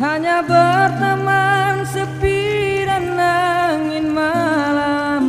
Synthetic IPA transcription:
ɦaɲabərt̪əmansəpiɾanːaŋɪnmalam

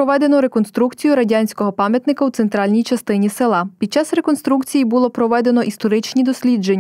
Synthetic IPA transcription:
ɔʋɛd̪enɔɾe̞kɔnst̪ɾukt͡sʲijʊɾɐdʲanʲsʲkɔɦɔpɑmʲjɐt̪nɪkɐwt̪sent̪ɾɑlʲnʲijt͡ʃɐst̪ɪnʲiselˠɑpʲid̪t͡ʃɑsɾe̞kɔnst̪ɾukt͡sʲijibulˠɔpɾɔʋɛd̪e̞nɔʔist̪ɔɾɪt͡ʃnʲid̪ɔsʲlʲid͡ʒenʲː

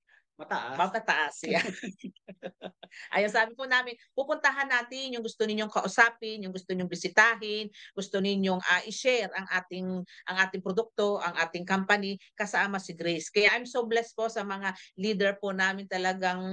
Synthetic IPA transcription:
mɐt̪ɐʔamɐmɐt̪ɐʔasɪa | ʔa̰jɐsaːbɪpʊnaːmɪnpupʊnt̪ɐɦanːaːt̪ɪnjʊŋɡʊst̪onɪɲjoŋkɐʔʊsaːpɪnjʊŋɡʊst̪oɲoŋbɪsɪt̪aːɦɪnɡʊst̪onɪɲjoŋʔɐʔɪʃɛɾɐŋʔaːt̪ɪŋʔɐŋʔaːt̪ɪŋpɾod̪ʊk̚t̪o̞ʔɐŋʔaːt̪ɪŋkampɐnikɐsaʔamɐsɪɡɾɪskɐjaʔajmsoblɛsposɐmɐŋaliːd̪ɛɹponaːmɪnt̪ɐlɐɡaŋ

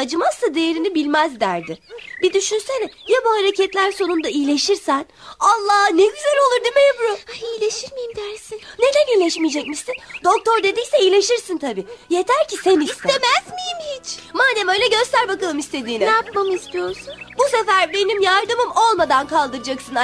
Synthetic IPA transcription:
ad͡ʒɯmast̪ad̪ejeɾinibilʲmæzd̪æɾd̪ɪbid̪yʃynsenɛjabuhaɾecʰɛt̪lʲæɾso̞nund̪aijlʲe̞ʃiɾsæn | alˠːaːneɟyzelo̞lˠuɾd̪imejebuɾoaijlʲeʃiɾmijimd̪æɾsinne̞d̪ænijlʲɛʃmijd͡ʒɛcmiʃsind̪o̞k̚t̪ʰo̞ɾd̪e̞d̪icsɛijlʲe̞ʃiɾsint̪ʰabiːje̞t̪ʰæɾcʰisɛniisemæzmijimhit͡ʃmaːd̪ɛmø̞jlʲɛɟø̞st̪æɾbakalˠɯmist̪ʰe̞d̪iːninapmamɯist̪ʰijo̞ɾsunbusefæɾbe̞nimjaɾd̪ɯmɯmo̞lˠmad̪ankʰalˠd̪ɯɾɯd͡ʒaksɯna

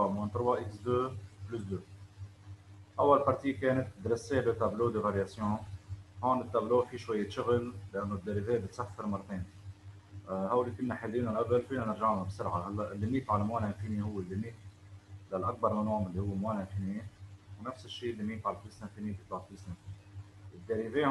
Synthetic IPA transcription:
ɑmɪnt̪ɾwɑʔɪksd̪øːblusd̪ø | ʔawːalpɑɾˤt̪iːkeːnɪt̪̚d̪ɾɪseːbət̪abloːd̪əvaɾjasjõhoːnɪt̪ːabloːfiʃwajːeʃʊɣɪllʔanːod̪ːeɾiveːbɪt̪safːɪɾmɑrˤːɑt̪eːn | hawlːikʊnːaħed̪iːnanʔabəlfiːnanɪɾʒaʕnabsɪɾʕahalːaʔɪlːimiːfʕalamweːlaʔfiːnihʊwːɪlːɪmiːk | lalʔak̚bɑɾˤmanoːʕmɪlːihʊwːemweːlʔɪnfiːniwnafsɪʃːiːlːimiːfʕalaflusnanfiːnibt̪̚b̪aʕ̚lisnaf | ɪd̪ːeɾive

